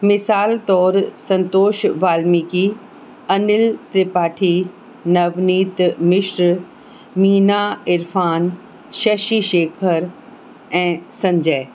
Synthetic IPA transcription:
mɪsaːlt̪ɔːɾsɐ̃nt̪oːʃʋaːlmiki | ɐnɪlt̪ɾɪpaːʈʰi | nɐʋniːt̪mɪʃɾ | miːnaɪɾfaːn | ʃɐʃiʃeːkʰəɾ | ɛ̃ːsɐ̃ɲd͡ʑɛː

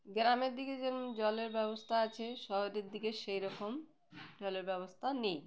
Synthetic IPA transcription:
ɡɾameɾd̪iked͡ʑed͡ʑɔleɾbɛbost̪ʰaat͡ɕʰeʃɔɦoɾeɾd̪ikeʃejɾɔkom | d͡ʑɔleɾbɛβost̪ʰanij

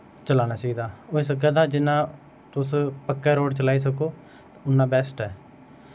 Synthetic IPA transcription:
t͡ʃəlaːnaːt͡ʃaːiːd̪aːoeːs̬əkɛːd̪aːd͡ʒɪnːãː | t̪ʊspəkːɛːɾoːɖt͡ʃəlaːiːs̬əkoː | t̪aʊnːãːbɛːsʈɛː

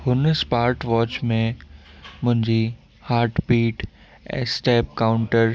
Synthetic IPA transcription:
hʊnspaːɾʈʋɔːt͡ɕmẽ | mʊ̃ɦɪ̃ɲd͡ʑi | haːɾʈpiːʈ | ɛ̰sʈeːp̚kaːʊ̃ɳʈəɾ

